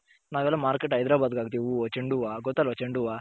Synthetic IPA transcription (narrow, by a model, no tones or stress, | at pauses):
naːʋɛlːamaːɾkeʈɐjd̪ɾaːbaːd̪̚kaːɡt̪̬iːʋuɔt͡ʃeɳɖuʋaːɡɔt̪ːalɔt͡ʃeɳɖuʋa